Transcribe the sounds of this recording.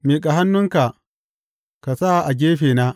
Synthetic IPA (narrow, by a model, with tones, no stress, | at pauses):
meː˨kʼa˨ɦa˦nːʊ˦ŋka˨ | ka˨saː˦˨ʔa˨ɡʲeː˦ɸeː˨na˦